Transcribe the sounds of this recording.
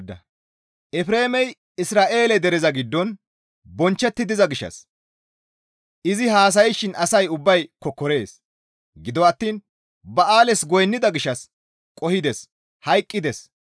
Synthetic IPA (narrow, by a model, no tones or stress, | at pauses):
d̪ɐ | ʔɛfɾe̞ːmɛj | ɪsɾaːʔe̞ːlɛd̪ɛɾɛzɐɡɪd̪ːɔn | bɔnt͡ʃːɛt̪ːɪd̪ɪzɐɡɪʃːɐ̰s | ʔɪzɪhaːs̬ɐjɪʃɪnɐsɐjʊbːɐjkɔkːɔɾe̞ːs | ɡɪd̪ɔwɐt̪ːiːn | bɐʔaːlɛsɡɔjnːɪd̪ɐɡɪʃːɐs | kʼɔhɪd̪ɛs | hɐjkʼːɪd̪ɛs